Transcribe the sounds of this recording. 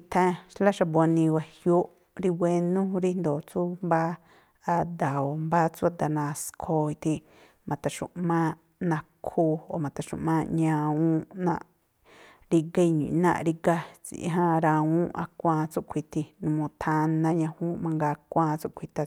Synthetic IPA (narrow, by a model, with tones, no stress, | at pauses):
i˧t̪ʰẽ˦˧ʃla˦ʃa˧bo˧nĩ˧wa˧hjo˦ʔ | ɾi˧we˧nũ˦ɾi˦nd̪o˨t͡su˦mba˦ | a˧d̪a˨o˨mbaː˦t͡su˦a˧d̪a˧nã˧skʰo˧i˧t̪ʰĩ˧ | mã˨t̪a˨ʃṵ̃˨ʔmã˦ | nã˧kʰu˧o˨mã˨t̪a˨ʃṵ̃˧˨ʔmã˧ɲã˧ũ˦nã̰˧ʔ | ɾi˧ɡe˦˧ɲḭ̃˨nã̰˧ʔɾi˧ɡa˦˧t͡sḭ˨ʔɦã˦ɾã˧ũ˦ʔa̰˧kʷãː˧t͡su˦ʔkʷʰi˨t̪ʰi˧nũ˧mõ˧t̪ʰã˧nã˧˦ɲã˧hũ˦mã˧ŋɡa˧kʷãː˦˧t͡su˦ʔkʷʰi˧t̪a˧